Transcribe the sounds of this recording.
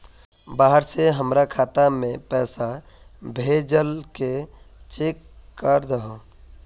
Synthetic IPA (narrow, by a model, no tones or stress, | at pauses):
baːɦəɾseɦəmɾakʰaːt̪amẽpɛːsa | bʱed͡ʒəlke | t͡ʃekːəɾd̪əɦo